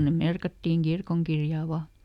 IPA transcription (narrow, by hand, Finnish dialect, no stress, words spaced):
ne merkɑtːiːŋ kirkoŋkirjɑˑ ʋɑ